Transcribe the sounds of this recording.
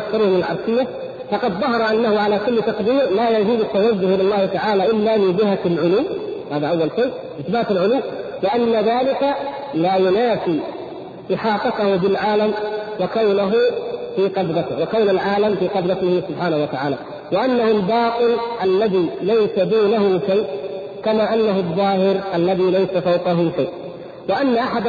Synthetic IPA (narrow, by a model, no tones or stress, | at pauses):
kθɑɾuːhmɪɪlʕɑ̰ɾˤsˤɪjːa | fɑqɑd̪ðˤɑɦɑɾˤɑʔanːahʊʕalakʊlːt̪ɑqd̪iːɾlaːjad͡ʒɪːd̪at̪ːawazːʊhʔɪlɑlˤːɑːhɪt̪aʕaːlaʔɪlːamɪnbɪɦaalʕʊluːmhaːðaʔawːalʃeː | ʔɪθbaːt̪ɪlʕʊluːmlɪʔanːaðaːlɪka | lajʊnaːfiː | ʔɪħɑːt̪ˤɑt̪ahʊbɪlʕaːlamwakawnaɦʊfiːqɑd̪ɾˤɑt̪ɪwakawnalʕaːlamfiːqɑd̪ɾˤɑt̪ɪhɪsʊbħaːnahuwat̪aʕaːla | wɪʔanːahʊmbɑːt̪ˤɨlʔalːaðiːlajsad̪uːnaɦʊʃajʔ | kamaːʔanːaɦʊðˤːɑːhɪɾʔalːaðiːlajsafawqɑɦʊʃajʔ | wɪʔanːaʔaħad̪